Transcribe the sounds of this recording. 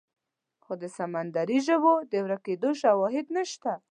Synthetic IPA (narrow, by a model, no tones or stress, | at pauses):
xod̪əsamand̪aɾiʒəbod̪əwɾaked̪oʃawɑɦɪd̪nəʃt̪a